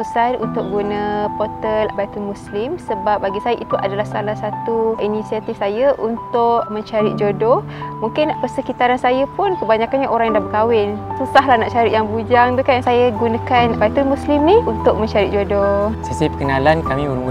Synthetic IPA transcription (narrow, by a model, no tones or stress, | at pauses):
susanṵnt̪ʊk̚ɡunə̃pot̪əlbajt̪unmũslɪmsəbap̚baɡisajəʔit̪uʔa̰dalahsalahsat̪uʔinisiat̪ifsajaʔunt̪ʊʔmə̃ɲt͡ʃaɾiʔ̚d͡ʒodo | mũŋkɪnaʔpərsəkit̪aɾansajapʊnkəbaɲakanɲaʔoɾaŋjaŋdahbəkawɪnsusaɦlahnaʔt͡ʃaɾitʔjaŋbud͡ʒaŋdukansajəɡunãkanbajt̪unmũslimniunt̪ʊk̚mə̃ɲt͡ʃaɾit̪̚d͡ʒodosasapə̥kənalankamĩbəmu